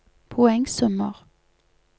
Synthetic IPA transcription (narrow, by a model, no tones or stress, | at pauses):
pʰʊɛŋsɔməʁ